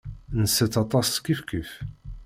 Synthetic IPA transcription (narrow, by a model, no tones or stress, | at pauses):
nəsːət͡sːɑt̪ˤɑsskːifkəf